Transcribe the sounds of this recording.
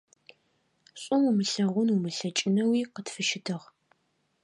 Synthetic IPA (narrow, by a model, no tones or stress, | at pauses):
ɕʼʊmumɨɬɐʁʷʊnʊmɨɬɐt͡ʃʼɪnɐwiːqətfɨʃɪtʰɨʁ